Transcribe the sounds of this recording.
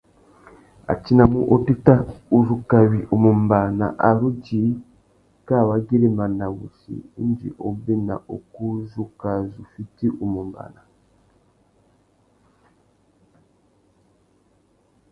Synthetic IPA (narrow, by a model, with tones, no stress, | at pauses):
a̰˨t͡ʃi˦na˨mu˦ʔo˦ti˦ta˦u˨zu˨ka˨βi˨ʔu˨mu˨mba˨na̰˨ʔa˨ɾu˦ɟi˨˦ | ka˦˨wa˨˦ɡi˦ɾe˦ma˨na˨βu˨sḭ˨i˦nd͡ʒḭ˨ʔo˨bi˦na̰˨ʔo˨ku˦zu˦ka˨zu˨fi˦ti˦ʔu˨mu˨mba̰˨na˨